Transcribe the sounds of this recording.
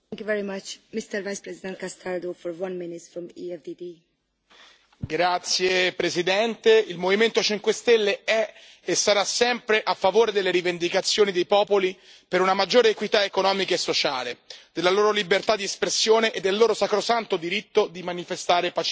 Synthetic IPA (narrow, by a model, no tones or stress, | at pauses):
ŋkjuvɛɹimat͡ʃmɪst̪əɾvajspɾɛzid̪ɛ̃nt̪̚kast̪aɾd̪ofɔɾwãnmɪnɪtsfɾɔ̃miɛfdidi | ɡɾat̪sːjepɾezid̪ɛnt̪eilmoviment̪ot͡ʃiŋkwest̪elːeɛ | esːaɾasɛmpɾeʔafːavoːɾed̪elːeɾivend̪ikat̪sːjoːnid̪ejpɔːpoli | peɾunamad͡ʒːoːɾeːkwit̪aekonɔːmikaesːot͡ʃaːled̪̥elːaloːɾolibert̪ad̪ːiespɾesːjoːneʔed̪ːelːoːɾosakɾosant̪od̪iɾit̪ːod̪imanifest̪aːɾepat͡ʃ